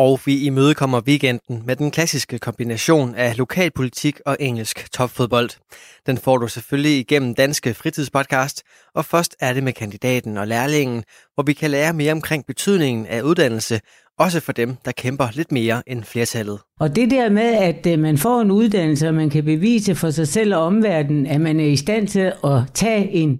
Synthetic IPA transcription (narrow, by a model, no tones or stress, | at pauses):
ɒʊʋiimøːð̞ˠəkʰɒ̽m̰ɐʋiɡ̥en̰d̥n̩med̥enkʰlæsisɡ̥əkʰɒ̽mb̥inæɕo̝̰ːnælo̝kʰɛ̰ːlpʰo̝lit͡sʰiɡ̥ɒ̽ʔeŋ̰l̩sɡ̥t͡sʰɒ̽b̥fo̝ðˠb̥ɒ̽l̰d̥d̥enfɒ̰ːd̥useføljiːɡ̥en̰m̩d̥ænsɡ̥əfʁit͡sʰiðˠspʰɒ̽d̥̚kʰɑ̈ːsd̥ | ʔɒ̽fɶɐsd̥æɐde̝mekʰænd̥id̥ɛ̰ːd̥n̩ɒ̽læɐle̝ŋ̰n̩ | ʋɒʋikʰælæːɐme̝ːɐɒ̽mkʰʁeŋ̰b̥e̝t͡sʰyð̞̰ˠne̝ŋn̩æuð̞ˠd̥æn̰l̩sə | ʔɒ̽s̬əfɒ̽d̥emd̥ɑ̈kʰemb̥ɐle̝d̥me̝ːɐʔenfle̝ːɐt͡sʰælð̞̩ˠɒ̽d̥e̝d̥æɐ̰meðˠæd̥mænfɒ̰ːe̝nuð̞ˠd̥æn̰l̩səɒmænkʰæbe̝ʋḭːsəfɒ̽sɑ̈ɪsel̰ɒ̽ɒ̽mʋæɐ̰d̥n̩æmænæɐisd̥æn̰t͡sʰe̝lɒ̽t͡sʰɛ̰ːe̝n